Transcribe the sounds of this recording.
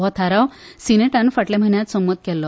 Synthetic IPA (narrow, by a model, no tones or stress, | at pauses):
ɔt̪ʰaɾaw | sineʈanfəʈlɛm̤ʱənjat̪sɔmːət̪̚kɛlːɔ